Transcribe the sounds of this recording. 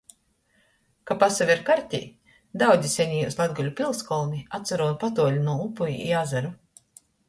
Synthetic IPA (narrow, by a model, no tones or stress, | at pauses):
kapasaviɾkaɾt̪ʲḭː | d̪awd̪zʲisʲɛɲʲiːuslˠad̪ɡulʲupʲilˠskɔlˠniat̪saɾuɔnpat̪̬uɔlʲunuɔupujiḭazaɾu